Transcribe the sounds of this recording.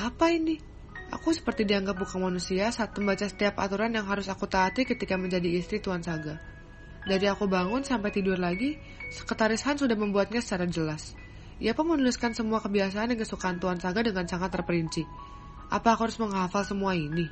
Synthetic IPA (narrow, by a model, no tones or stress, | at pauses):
apaini | ʔa̰kusə̥pərt̪idiaŋɡap̚bukaŋmanusiasat̪əmbat͡ʃasə̥t̪iapa̰t̪uɾanjaŋɦaɾʊsakut̪aːt̪ikət̪ikaməɲd͡ʒadiːst̪ɾit̪uansaɡa | daɾiakubaŋʊnsampajt̪idʊrlaɡi | sə̥kət̪aɾishansudahməmbuat̪̚ɲasə̥t͡ʃaɾad͡ʒəlas | iapʊnmənulɪskansəmuakəbias̬aːndənkəsukaːnt̪uansaɡadəŋansaŋat̪ːərpəɾiɲt͡ʃi | ʔapaːkuhaɾʊsməŋɦafalsəmuaini